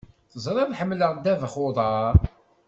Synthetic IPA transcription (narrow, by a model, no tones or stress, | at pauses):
θəzˤɾˤɑðħəmːləʁd̪ævəχoðˤɑɾˤ